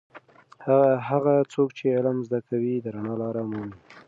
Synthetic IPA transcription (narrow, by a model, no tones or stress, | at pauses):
haɦaɣat͡sokt͡ʃeɪlamzd̪akawid̪əɾanɑlɑɾamuni